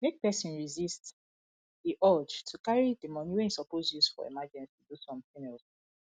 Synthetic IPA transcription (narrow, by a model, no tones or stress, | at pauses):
mek̚pɛsĩnɹizist | diʔɔd͡ʒtʰukaɹidəmɔniwɛ̃nisɔpozjusfɔ̰ḭmad͡ʒɛ̃nstʰudusɔ̃mfĩŋɛls